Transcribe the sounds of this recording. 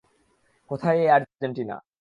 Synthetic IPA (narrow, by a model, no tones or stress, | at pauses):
kot̪ʰajeaɾd͡ʑoɳʈina̰